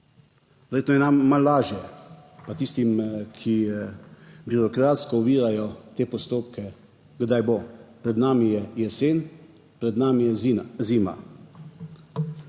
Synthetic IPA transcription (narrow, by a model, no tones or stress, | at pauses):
ʋɛɾjeːt̪nɔjɛnamːalːaːʒjɛpat̪ist̪imkʰi | biɾɔkɾaːt̪skɔuʋiːɾajɔt̪eːpɔst̪oːpkʰɛ | ɡd̪ajboːpɾɛd̪naːmijɛjɛseːn | pɾɛd̪naːmijɛziːma̰